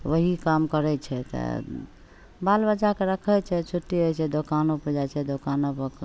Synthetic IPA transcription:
ʋəɦikamkəɾɛt͡ʃʰɛt̪ə̰ | balbəd͡ʒakeɾəkʰət͡ʃʰɛt͡ʃʰuʈːiɦəjt͡ʃʰɛd̪okanopəɾd͡ʒajt͡ʃʰɛd̪okanopək

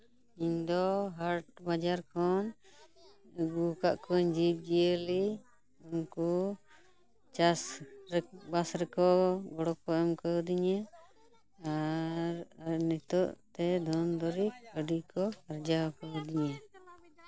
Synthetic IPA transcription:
iɲd̪ɔɦaɾʈ̚bad͡ʒaɾkʰɔn | ɡukaʔkɔɲd͡ʒib̚d͡ʒijəli | unku | t͡ʃasɾbasɾɛkɔɡɔɽɔkɔɛmkəd̪iɲa | aɾɾnɛt̪ɔʔt̪ɛd̪ʱɔnd̪ɔɾik̚əɖikɔkaɾd͡ʒawkəd̪iɲa

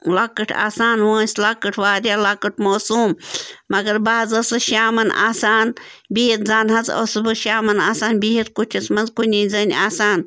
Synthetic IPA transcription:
laːkːɐʈʰa̰ːsaːnʋoːsʲlakɐʈʰʋaːɾʲjaːlaːkɐʈʰmoːsuːmmɐɡɐɾbaːzɐsɨʃaːmɐnʔa̰ːsaːnbiɦit̪zaːnɦɐzɐ̰sɨbɨʃaːmɐnaːsaːnbiɦit̪kut͡ʃʰɐsmɐnzkunʲiːzɐnʲaːsaːn

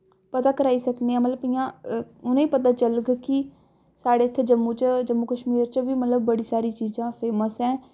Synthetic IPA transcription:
pət̪aːkəɾaːiːsəkneːãːmət̪ləbɪjãːʊnẽiːpət̪aːt͡ʃəlɡki | saːɽeːt̪ʰːeːd͡ʒəmːũt͡ʃd͡ʒəmːukəʃmiːɾt͡ʃʋiːmət̪ləb̚ːəɽiːsaːɾiːt͡ʃiːzãːpʰeːməsɛ̃ː

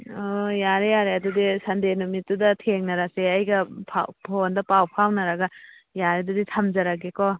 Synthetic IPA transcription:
ɔjaɾejaɾeɐdudisɐndenumitːudɐtʰeŋnɐɾaseɐjɡɐpʰa̰pʰondɐpawpʰawnɐɾaɡɐ | jaɾeduditʰɐmzɐɾaɡekɔ

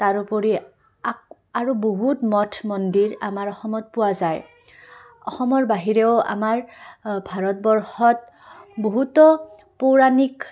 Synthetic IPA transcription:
taɹupɔɹi | a | aɹuboɦutmɔtʰmɔndiɹa̰maɹɔxɔmɔt̚pʊwazaj | ɔxɔmɔɹbaɦiɹɛʊa̰maɹbʱaɹɔtbɔɹxɔt̚ | boɦutɔ | poɹanik

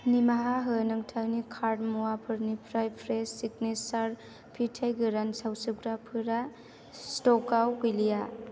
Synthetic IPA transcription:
nimaɦaɦɯnɯŋtʰawnikʰaɾdmuwapʰɯɾnipʰɾajpʰɾesik̚nisaɾ | pʰitʰajɡɯɾansawsɯɡɾapʰɯɾa | stɔkawkujlija

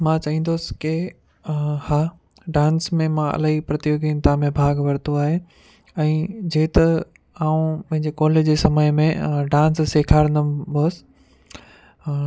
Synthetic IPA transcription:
mãt͡ɕɐɦĩːnd̪oːsɪ̥kɪ | haː | ɖãːnsmẽmãɐ̰laːɦipɾɐt̪ijoːɡɪnt̪amẽbʱaːɡʋɐɾt̪oaːɦe | ɛ̃ːd͡ʑeːt̪ɐ | aːũpɐ̃ɦɪ̃ɲd͡ʑekɔːlɪd͡ʑeːsɐməjmẽɖãːnsːeːkʰaːɾnɐboːsɪ̥

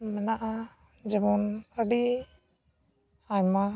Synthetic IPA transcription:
mɛnaʔa | d͡ʒɛbɔnəɖi | aɲma

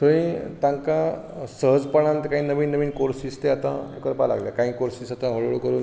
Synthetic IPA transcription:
t̪əʋĩt̪ãŋkãsəɦəd͡zpəɳãnt̪kãɦĩːnəʋiːnːəʋiːnkoɾsist̪eat̪ã̰ekəɾpala̰ɡljakãɦĩːkoɾsisat̪ãɦəɭoɭkəɾuːn

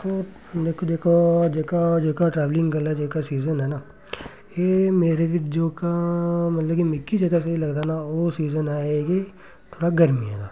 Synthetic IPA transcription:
t̪oː | d̪eːkʰod̪eːkʰod͡ʒekad͡ʒeːkaʈɾɛːʋlɪ̃ŋɡɡəlad͡ʒeːkasiːzənɦɛːnaː | jeːmeːɾed͡ʒoːkamɐt̪ləbkimɪkːid͡ʒɐɡas̬eilɐɡd̪anaoːsiːzənaːeki | t̪ʰoːɽaɡəɾmiɦḛːɡa̰ː

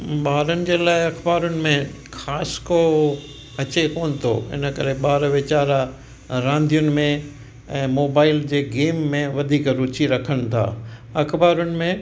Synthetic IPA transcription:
ɓaːɾənɪ̆d͡ʑeːlaːɪɐkʰbaːɾʊnɪ̆mẽ | xaːsko | ɐt͡ɕekoːnɪ̆t̪ʰo̰ːɪ̰nəkɐ̰ɾeɓaːɾʋɪt͡ɕaːɾa | ɾãːnd̪ʱijʊnɪ̆mẽ | ɛ̃ːmoːbaːɪld͡ʑeːɡeːmːẽʋɐd̪ʱiːkɾʊt͡ɕiɾɐkʰəɽ̃t̪ʰa̰ːɐkbaːɾʊnɪ̆mẽ

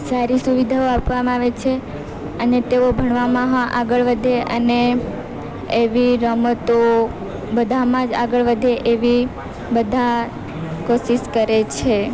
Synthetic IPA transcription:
saɾisuʋid̪ʱaoapʋamãaʋet͡ʃʰe | ənet̪eobʱəɳ̃ʋamãɦãʔaɡəɭʋəd̪ʱeʔə̰ne | ʋiɾəmət̪o | bəd̪ʱamãd͡ʒa̰ɡəɭʋəd̪ʱeʔeʋi | bəd̪ʱa | koʃiʃkəɾet͡ʃʰe

